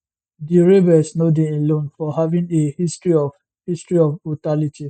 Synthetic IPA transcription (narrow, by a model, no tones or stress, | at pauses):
diɹebɛsnodeelõnfɔɦavĩŋehistɹiɔf | histɹiɔfotalitʰi